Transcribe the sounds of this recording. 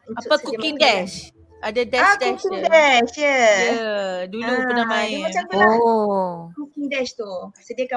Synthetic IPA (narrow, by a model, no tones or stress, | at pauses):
apakukkiŋdɛʃ | adadɛadɛkiŋdɛʃjɛjədulupənamãjmat͡ʃaməol | kukiŋdɛʃt̪usədiaka